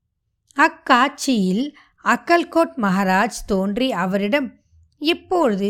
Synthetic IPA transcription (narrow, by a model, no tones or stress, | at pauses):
ɐkːaːt͡ʃːɪjɪl | ɐkːɐlkoːʈmɐɦaːɾaːd͡ʒt̪oːndriɐʋɐɾɪɽɐm | ɪpːoːɻɯðɯ